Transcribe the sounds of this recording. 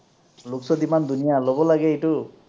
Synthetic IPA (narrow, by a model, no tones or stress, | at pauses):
luksɔd̪imand̪unijalɔbɔlaɡeeʈu